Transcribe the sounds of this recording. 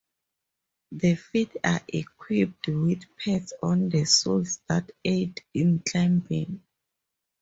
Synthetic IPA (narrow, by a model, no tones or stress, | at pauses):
ðəfita̰ʔikʰwip̚twidpʰɛtsɔ̃ndəsulsdatedĩntʰãmbĩm